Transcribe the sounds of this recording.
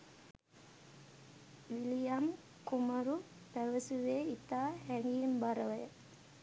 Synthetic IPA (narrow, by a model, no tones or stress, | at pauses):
ʋilijam | kuməɾu | pæʋəsuʋeːit̪aːhæŋɡimbaɾəʋəjə